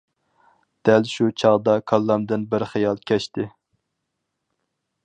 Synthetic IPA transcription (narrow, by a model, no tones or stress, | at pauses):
d̪̥ælʃut͡ʃʰɑʁd̪ɑkʰɑlˠːɑmd̪ɨnbɪɾχɨjɑlˠkʲʰɛʃt̪ɪ